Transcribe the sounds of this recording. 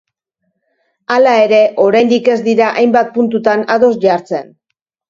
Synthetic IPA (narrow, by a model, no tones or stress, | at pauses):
alae̞ɾe̞ʔo̞ɾajnd̪ike̞zd̪iɾaʔajmbat̪̚punt̪ut̪anaðo̞sʝaɾt͡se̞̰n